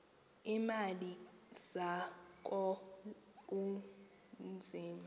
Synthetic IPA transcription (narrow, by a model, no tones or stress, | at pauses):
imaliz̥ak̬ʼɔ | k̬ʼu | nd͡zʱiːma